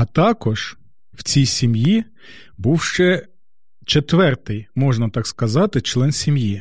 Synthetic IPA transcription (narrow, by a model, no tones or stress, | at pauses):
ɐt̪ɑkɔʒ̥ | w̥t͡sʲijsʲimji | buwʃt͡ʃɛ | t͡ʃet̪ʋɛrt̪ɪjmɔʒnɐt̪ɑkskɐzɑt̪ɪt͡ʃlˠɛnsʲimji